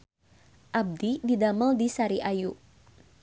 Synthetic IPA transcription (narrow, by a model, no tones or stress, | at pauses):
ʔab̚dididaməldisaɾiʔajuʔ